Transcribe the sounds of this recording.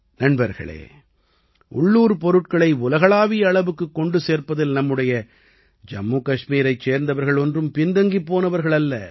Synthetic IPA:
nɐɳbɐɾɣɐ̰ɭḛː | ʊ̰ɭːuːɾpɔɾɯʈ̚kɐɭɐɪʊlɐɣɐɭaːʋɪjɐːɭɐʋɯkːɯkːɔɳɖɯseːɾpɐðɪlnɐmːɯɽɐjɐ | d͡ʒɐmːuːkɐʂmiːɾɐɪt͡ʃseːɾnd̪ɐʋɐɾɣɐɭɔndrɯmpɪnd̪ɐŋɡipːoːnɐʋɐɾɣɐɭɐlːɐ̰

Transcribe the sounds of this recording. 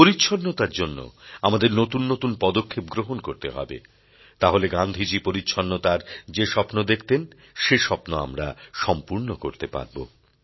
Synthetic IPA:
poɾitːɕʰonːot̪aɾd͡ʑonːo̰amad̪eɾnot̪unːot̪unpɔd̪okʰːep̚ɡɾoɦonkoɾt̪eɦɔ̰bḛ | t̪aɦoleɡand̪ʱid͡ʑipoɾitːɕʰonːot̪aɾd͡ʑeʃɔpnod̪ekʰt̪en | ʃeʃɔpnoa̰mɾa̰ʃɔmpuɾnokoɾt̪epa̰ɾbo̰

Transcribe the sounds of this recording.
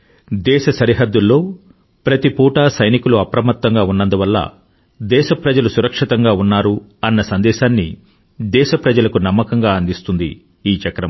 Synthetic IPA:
d̪ɛːʃɐsɐɾiɦɐd̪ːulːo̞ː | pɾɐt̪ipuːʈaːsɐjnikuluɐpɾɐmɐt̪ːɐŋɡaːunːɐnd̪uʋɐlːɐ̰ | d̪ɛːʃɐpɾɐd͡ʒɐlusuɾɐkʂit̪ɐŋɡaːunːaːɾuɐnːɐsɐnd̪ɛːʃaːnːḭ | d̪ɛːʃɐpɾɐd͡ʒɐlɐkunɐmːɐkɐŋɡaːɐnd̪ist̪und̪ḭː | t͡ʃɐkɾɐm

